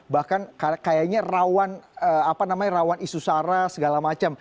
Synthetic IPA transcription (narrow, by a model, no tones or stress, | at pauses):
bahkankakajaɲarawanəapanamaɲaɾawanisusaɾasəɡalamat͡ʃam